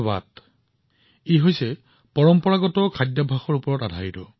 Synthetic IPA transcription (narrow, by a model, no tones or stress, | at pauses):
ba̰t | iɦojsɛ | pɔɹɔmpɔɹaɡɔtɔkʰadjabʱaxɔɹupɔɹɔtadʱaitɔ